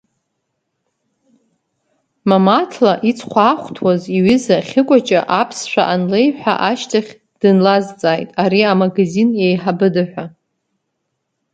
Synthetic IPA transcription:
mamatʰlaʔit͡sʰχʷaːχʷtʰwaziɥʏzaχʲɪkʷʼat͡ʃʼaʔapʰsʃʷᶣa̰ʔanlejħʷᶣa̰ʔaʃtʰaχʲ | d̥ɨnlazt͡sʼaːjtʼaɾiamaɡazinjejħabɨdɨħᶣʷa

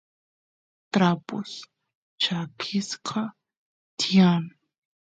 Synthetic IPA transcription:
t̪ɾapo̰s | t͡ʃakʰɪsqʰɑ | t̪jan

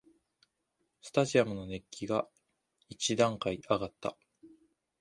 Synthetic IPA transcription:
sɨ̥t̪aʑiamɯ̟no̞ne̞kʲʰːiɡa | it͡ɕid̪ãŋkaiʔaɡat̪ːa̰

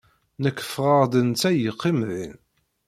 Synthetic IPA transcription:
nəkːə̥fʁəʁd̪ənt͡sːæjəqːimðin

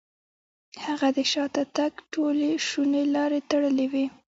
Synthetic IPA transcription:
haɣad̪əʃɑt̪at̪aɡʈoleʃunelɑɾet̪aɽəlewi

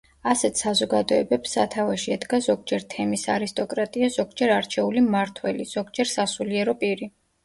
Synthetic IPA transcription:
asɛt̪ʰsazɔɡad̪ɔɛbɛpsːat̪ʰavaʃiɛd̪ɡazɔɡ̚d͡ʒɛɾt̪ʰɛmisaɾist̪ʼɔkʼɾat̪ʼiaz̥ɔɡd͡ʒɛɾaɾt͡ʃʰɛulimaɾt̪ʰwɛliz̥ɔɡd͡ʒɛɾsasuliɛɾɔpʼiɾi

